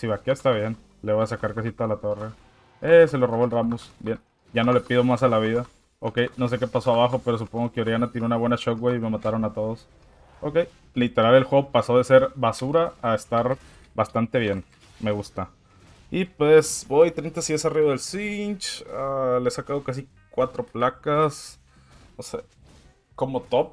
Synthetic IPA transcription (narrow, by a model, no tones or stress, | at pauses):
siβakeest̪aβje̞n | leβojasakaɾkas̬it̪olat̪o̞re | ese̞lo̞roβo̞elramusbje̞n | ɟ͡ʝano̞le̞pið̞o̞mas̬alaβ̞iða | o̞ke̞jno̞s̬e̞ke̞paso̞aβaxo̞pe̞ɾo̞s̬upo̞ŋɡo̞keoɾjanat̪jeneunaβwe̞nat͡ʃo̞k̚ɡwejime̞mat̪aɾo̞nat̪o̞ð̞os | o̞ke̞j | lit̪e̞ɾale̞lxwe̞ɣopaso̞ðe̞se̞ɾβasuɾaːest̪aɾ | bast̪ant̪e̞β̞je̞n | me̞ɣust̪a | ipwesbojt̪ɾint̪asiesariβaðe̞lsint͡ʃaleesakað̞o̞kas̬i | kwat̪ɾo̞plakas | nose | ko̞mo̞t̪op̚